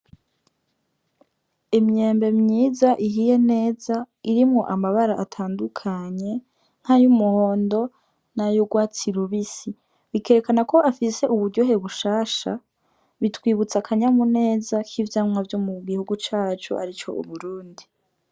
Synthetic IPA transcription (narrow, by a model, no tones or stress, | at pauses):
imɲeːmbe̞mɲiːzaʔiɦije̞ne̞ːza | iɾimŋo̞ʔamaβaɾaʔatʰaːndukʰaɲe̞ | ŋ̥hajumuho̞ːndo̞ | najoɡwaːt͡siɾuβisi | βike̞ɾekanako̞ʔafise̞ʔuβuɾɟo̞ɦe̞βuʃaːʃa̰ | βitwiːβut͡sakʰaɲamune̞ːzakʰivjaːmŋavjomuɡihuɡut͡ʃaːt͡ʃo̰ʔa̰ɾit͡ʃo̞̰ʔṵβuɾuːndi